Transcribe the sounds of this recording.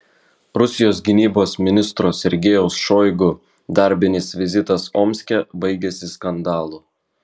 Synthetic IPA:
ɾʊsʲɪjoːs̬ɡʲɪnʲiːboːsmʲɪnʲɪst̪ɾoːsʲɛɾʲɡʲejɛʊsʃoːɪɡʊ | d̪ɐɾʲbʲɪnʲɪsʋʲɪzʲɪt̪ɐsoːmʲsʲkʲɛbɐɪɡʲɛsʲɪskɐnd̪ɑːlˠuː

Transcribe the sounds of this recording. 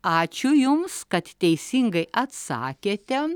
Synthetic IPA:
at͡ʃujumskɐt̪ʲt̪ʲejsiŋɡɐjʔɐt̪sa̰ːkʲet̪ʲam

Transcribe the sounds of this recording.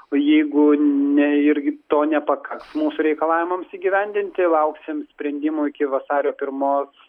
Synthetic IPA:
ojɛɪɡʊnʲɛɪɾʲɡʲɪt̪oːnʲɛpɐkɐksmuːsʊɾʲɛɪkɐlˠɑːʋʲɪmɐmsiːɡʲɪʋʲɛnʲd̪ʲɪnʲt̪ʲɪlˠɐʊksʲɪmsʲpʲɾʲɛnʲd̪ʲɪmuːɪkʲɪʋɐsɑːɾʲoːpʲɪɾmoːs

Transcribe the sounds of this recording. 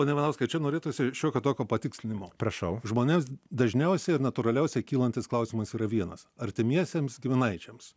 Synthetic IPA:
poːnʲɛʋʲɛnɐʊskɐɪt͡ʃʲɛnoːɾʲeːt̪oːsʲɪʃʲoːkʲoːt̪oːkʲoːpɐt̪ʲɪksʲlʲɪnʲɪmoːpɾɐʃɐʊʒmoːnʲemsd̪ɐʒʲnʲɛʊsʲɛɪɾnɐt̪ʊɾɐlʲɛʊsʲɛkʲiːlˠɐnʲt̪ʲɪsklˠɐʊsʲimɐsiːɾɐʋʲiɛnɐsɐɾʲt̪ʲɪmʲiɛsʲemsɡʲɪmʲɪnɐɪt͡ʃʲɛms

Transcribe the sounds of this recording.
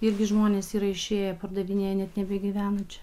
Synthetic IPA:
ɪɾʲɡʲɪʒmoːnʲeːsiːɾɐɪʃʲeːjɛpɐɾd̪ɐʋʲinʲeːjɛnʲɛt̪nʲɛbʲɛɡʲiʋʲæːnot͡ʃʲɛ̥

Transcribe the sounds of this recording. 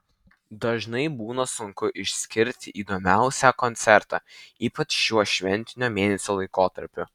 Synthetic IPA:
d̪ɐʒnɐɪbuːnɐsʊŋkʊʔɪʃʲsʲkʲɪɾʲt̪ʲɪʔiːd̪omʲæˑʊsʲæːkɔnʲt̪sʲɛɾt̪ɑ̰ːiːpɐt͡ʃʃuɔʃʲʋʲɛnʲt̪ʲɪnʲoːmʲeːnʲɛsʲoːlˠɐɪkoːt̪ɐɾʲpʲʊ

